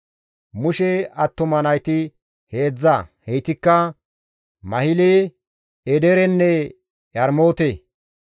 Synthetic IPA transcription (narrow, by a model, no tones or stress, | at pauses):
mʊʃɛɐt̪ːɔmɐnɐjt̪ɪ | heːd͡zːɐhɛjt̪ɪkːɐ | mɐhɪleː | ɛd̪ɛɾɛnːɛ | jɐɾmoːt̪e